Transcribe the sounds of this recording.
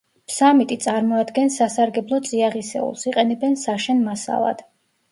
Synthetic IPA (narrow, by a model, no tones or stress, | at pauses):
samit̪ʼit̪sʼaɾmɔad̪ɡɛnsasaɾɡɛblˠɔt̪sʼiaʁisɛ̰ṵlˠsiqʼɛnɛbɛnsaʃɛnmasa̰lˠa̰d̪̥